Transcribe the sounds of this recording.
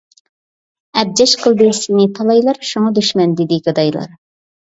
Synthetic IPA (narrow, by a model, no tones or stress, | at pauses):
ɛb̚d͡ʒɛʃqʰəlˠd̪ɨsinɪt̪ʰɑlˠɑjlˠɑɾʃuŋɑd̪yʃmɛnd̪ɪd̪ɪɡʲɨd̪ɑjlˠɑ̰ɾ